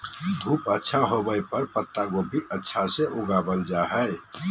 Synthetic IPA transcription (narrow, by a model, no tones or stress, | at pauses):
d̪ʱuːpətːʃʰaɦobəjpəɾpət̪ːaɡobʱiʔətːʃʰaseʔoɡabəld͡ʒaɦɛɪ